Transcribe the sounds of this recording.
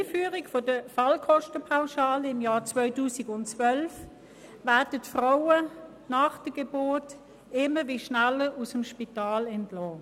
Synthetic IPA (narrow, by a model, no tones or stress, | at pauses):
iːfyːʁiɡfodəfɑlkʰɔʃtəpʰaʊʃaːlɪmjaːt͡svœʏtuːsiɡʊntt͡sʋœlf | ʋæɐd̥ətfʁaʊə | nɑːχd̥əɡ̥eboːt | ɪməʋiʃnæləusəmʃpitaːlɛntlɔː